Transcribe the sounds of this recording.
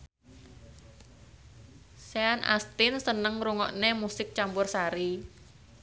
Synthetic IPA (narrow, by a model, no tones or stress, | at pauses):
seanʔa̰st̪ɪnsənəŋɾuŋɔ̰ʔnemusɪk̚t͡ʃampʊrsaɾi